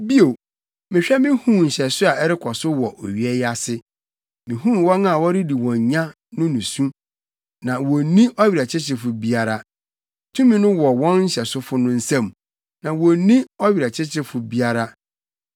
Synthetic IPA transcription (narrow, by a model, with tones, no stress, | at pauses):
bi˦o˨ | mɪ̃˨ɕᶣɛ˦mɪ̃˦hũ˦˨ɲ̩˨ɕɛ˨sʊ˦a˨ɛ˦ɾɪ˦kʰɔ˨sʊ˦wɔ˨ʔɔ˨ɥi˨ɛ˦ja˦sɪ˦ | mɪ̃˨ɦũ˦m˨wɔ̃˦n˦a˨wɔ˦ɾi˦di˨wɔ̃˨ɲ˨ɲã˦ | nʊ̃˦nũ˨sũ˦ | nã˨wɔ˨nĩ˦ʔɔ˦ɥi˨ɾa˨t͡ɕʰɪ˦t͡ɕʰɪ˦fʊ˨bi˦a˦ɾa˦ | tʰũ˦mĩ˦nʊ̃˦wɔ˨wɔ̃˦nɲ̩˦ɕɛ˨sʊ˦fʊ˦nʊ̃˦n̩˦sɛ̃˦˨m | nã˨wɔ˨nĩ˦ɔ˦ɥi˨ɾa˨t͡ɕʰɪ˦t͡ɕʰɪ˦fʊ˨bi˦a˦ɾa˦